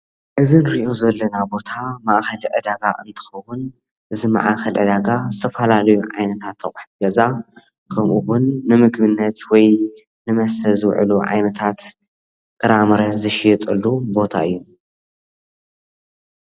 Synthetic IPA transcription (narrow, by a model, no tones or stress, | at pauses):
ʔɨzɨnɾiʔo̞zɐlːɐnabo̞t̪ʰamaʔxɐliʕɨd̪aɡaʔɨnt̪ʰɨ̥xɐwʊn | ʔɨzima̰ʕaxɐlʕɨ̰d̪aɡazɨt̪ʰɐfɐlalɐjuʕa̰jnɐt̪ʰat̪ʰːɐχʼuħt̪ɨɡɐza | kʰɐmʔuwʊnːɨmɨɡmɨnːɐt̪wɔj | nɨmɐsɐzɨwʕɨ̰luʕa̰jnɐt̪ʰat̪ | kʼɨɾamɾɐzɨʃjɨt̪ʼɨlːubo̞t̪ʰa̰ɨjːu